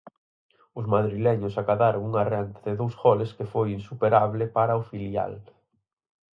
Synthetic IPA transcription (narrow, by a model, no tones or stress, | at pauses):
ʊzmaðɾilɛɲʊsakaðaɾoŋuŋarant̪aðeðowsɣɔlɪskefojinsupeɾaβlɪpaɾaʊfilja̰l